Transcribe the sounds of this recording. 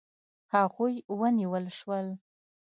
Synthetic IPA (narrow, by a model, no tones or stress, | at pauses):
haɣujwəniwəlʃwəl